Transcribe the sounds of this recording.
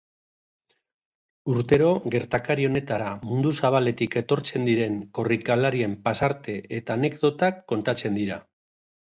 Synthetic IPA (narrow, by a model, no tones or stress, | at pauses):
uɾt̪e̞ɾo̞ɣe̞ɾt̪akaɾio̞ne̞t̪aɾamund̪usaβ̞ale̞t̪ike̞t̪o̞ɾt͡se̞nd̪iɾe̞ŋko̞rikalaɾie̞mpasaɾt̪e̞et̪aːne̞kd̪o̞t̪akːo̞nt̪at͡se̞nd̪iɾa